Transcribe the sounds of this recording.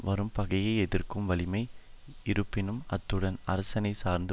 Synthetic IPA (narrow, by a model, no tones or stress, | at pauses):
ʋɐɾɯmpɐɣɐjɐɪɛðɪrkɯmʋɐlɪmɐɪ | ɪɾɯpːɪnɯmɐt̪ːɯɽɐnɐ̰ɾɐsɐnɐɪsaːɾnd̪ɯ